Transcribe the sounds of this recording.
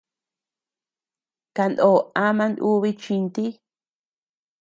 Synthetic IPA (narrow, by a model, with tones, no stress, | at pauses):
ka˧nd̪o˦˨a˦mã˧nd̪u˦βi˧t͡ʃi˧nt̪i˦